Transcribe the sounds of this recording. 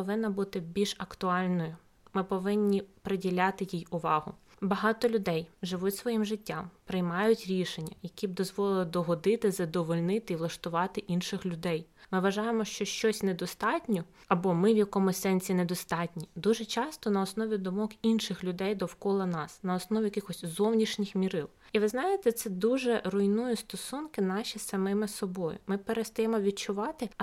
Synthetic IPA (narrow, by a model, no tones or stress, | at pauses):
ɔʋɪnːɐbut̪ɪbʲilʲʃɐkt̪ʊɑlʲnɔjʊ | mɪpɔʋɪnʲːipɾɪdʲilʲɑt̪ɪjijʊʋɑɦʊ̰ | bɐɦɑt̪ɔlʲʊd̪ɛjʒɪʋutʲsʋɔjimʒɪtʲːɑmpɾɪjmɑjʊtʲɾʲiʃenʲːɐjɐkʲib̚d̪ɔzʋɔlˠɪlˠd̪ɔɦɔd̪ɪt̪ɪzɐd̪ɔʋɔlʲnɪt̪ɪiʋlˠɐʃt̪ʊʋɑt̪ɪʔinʃɪxlʲʊd̪ɛjmɪʋɐʒɑjemɔʃt͡ʃɔʃt͡ʃɔsʲned̪ɔst̪ɑtʲnʲɔɐbɔmɪʋjɐkɔmʊsɛnʲsʲinɛd̪ɔst̪ɑtʲnʲid̪uʒɛt͡ʃɑst̪ɔnɐɔsnɔʋʲid̪ɔmɔkinʃɪxlʲʊd̪ɛjd̪ɔwkɔlˠɐnɑsnɐɔsnɔʋʲijɐkɪxɔsʲzɔwnʲiʃnʲɪxmʲiɾɪlˠ | iʋɪznɑjet̪ɛt̪sɛd̪uʒɛrʊjnujist̪ɔsunkɪnɑʃʲisɐmɪmɪsɔbɔjʊ̰mɪpeɾest̪ɐjɛmɔʋʲid̪̚t͡ʃʊʋɑt̪ɪ